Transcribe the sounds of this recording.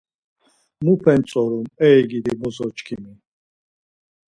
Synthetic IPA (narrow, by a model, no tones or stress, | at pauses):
mupʰɛnt͡sʼɔɾumɛɡid̪ibɔzɔt͡ʃʼkʰimi